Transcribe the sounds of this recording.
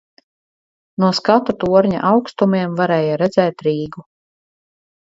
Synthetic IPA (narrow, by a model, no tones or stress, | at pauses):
nuɔskat̪at̪uɔɾɲa̰ʔawkst̪umiɛmvaɾɛːjaɾɛd̪zɛːt̪ɾiːɡu